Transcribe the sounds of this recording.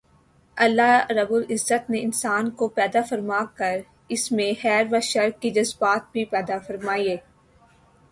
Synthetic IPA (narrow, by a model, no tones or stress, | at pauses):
ɐlːaɾɐbʊlɪzːət̪neɪnsaːnkopɛːd̪afɐɾmaːkɐɾ | ɪsmẽxɛːɾʋaʃɐɾkkid͡ʒɐzbaːt̪̚bʱipɛːd̪afɐɾmaːieː